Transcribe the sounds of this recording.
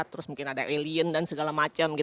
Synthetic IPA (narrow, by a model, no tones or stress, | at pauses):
t̪əɾʊsmuŋkɪnadaʔeliəndansəɡalamat͡ʃamɡi